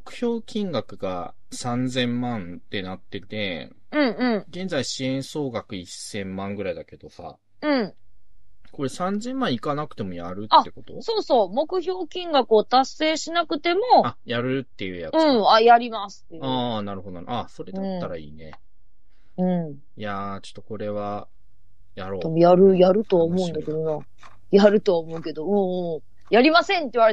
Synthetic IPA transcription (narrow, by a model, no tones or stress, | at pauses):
mokɯ̟̥çʲo̞ːkʲʰĩŋɡakɯ̟ɡa̰ | sãnd͡zẽ̞mːãnt̪e̞nat̪ːe̞t̪e̞ɯ̟̃ɴɯ̟̃ɴɡẽ̞nd͡zaiɕiẽ̞ɰ̃so̞ːɡakɯ̟isːẽ̞mːãŋɡɯ̟ɾaid̪ake̞d̪o̞sa̰ | ɯ̟̃ɴ | ko̞ɾe̞sãnd͡zẽ̞mːãɰ̃ikanakɯ̟̥t̪e̞mojaɾɯ̟taːe̞ko̞t̪o̞̰so̞ːso̞ːmo̞kɯ̟ço̞ːkʲĩŋɡakɯ̟ot̪asːe̞ːɕinakɯ̟t̪e̞mo̞ajaɾɯ̟t̪ːe̞jɯ̰ja̰ɯ̟̃ajaɾʲimasɨ̥t̪ːejanaɾɯ̟hod̪ona̰aso̞ɾe̞d̪aãt̪ːaɾa̰ḭːnḛ | ɯ̟̃ɴ | jat͡ɕo̥t̪ːoko̞ɾe̞βa | jaɾoːd̪emojaɾɯ̟jaɾɯ̟t̪o̞βaomo̞ɯ̃nd̪ake̞d̪o̞na | jaɾɯ̟t̪oaomo̞ɯ̟ke̞d̪o̞ɯ̟̃ɴɯ̃ | jaɾʲimasẽ̞nt̪̬ːeiɯβaɾe